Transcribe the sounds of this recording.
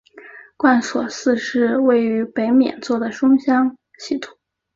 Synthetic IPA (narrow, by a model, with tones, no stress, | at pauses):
kwa˥˩nswɔ˨˩sɹ̩˥˧ʂɻ̩˥˧we˥˩ɪy˧˥pe˧˥ɪmjɛ̰˨˩nt͡swɔ˥˩d̪ə˩ʂʊ˥ŋɕjɑ˥ŋ | ɕi˥˩t̪ʰʊ̥˨˩˦